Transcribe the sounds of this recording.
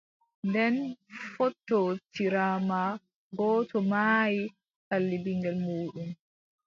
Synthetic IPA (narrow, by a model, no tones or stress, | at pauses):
ndɛnfɔtːɔtiɾaːma | ɡɔːtʰɔmaːji | kalːibiŋɡɛlmuːɗum